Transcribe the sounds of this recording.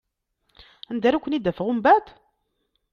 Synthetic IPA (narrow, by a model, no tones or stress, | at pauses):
ænd̪æɾækʷːənid̪ːæfəʁumbæt̪